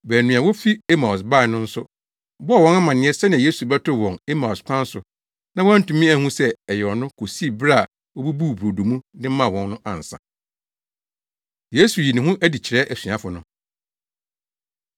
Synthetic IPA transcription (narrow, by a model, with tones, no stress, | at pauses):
bɛ˨nũ˨ã˨wɔ˦fi˦e˦mã˨ʊ˨s̬ba˦˨nʊ̃˦n̩˦sʊ˦ | bɔ˦˨wɔ̃˦na˦mã˨nɪ̃˦ɛ˦sɛ˦nɪ̃˨je˦su˨bɛ˦tʰʊ˦˨wɔ̃˨ne˦mã˨skʷʰã˦n˦sʊ˨ | nã˦wɔ˦æ˦n̩˦tũ˨mĩ˦æ˦˨hũ˦sɛ˦ɛ˨jɛ˨ɔ˨nʊ̃˦kʰo˨si˦˨bɾa˦˨ | wɔ˦bu˦bu˦˨bo˨du˨mũ˦nɪ̃˦mã˨wɔ̃˨nːʊ̃˦ʔã̰˨n̩˨sã̰˨ | je˦su˨ji˨nĩ˨ɦũ˦ʔæ˦di˨t͡ɕʰɪ˨ɾɛ˦ʔæ˨sɥ̃ã˦fʊ˨nʊ̃˦˨